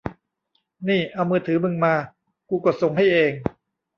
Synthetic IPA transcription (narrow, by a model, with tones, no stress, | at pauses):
niː˥˩ʔa˧wmɯː˧˩t̪ʰɯː˩˦mɯ˧ŋmaː˧ | kuː˧ko˨˩t̪̚so˨˩ŋɦa˥˩jʔeː˧ŋ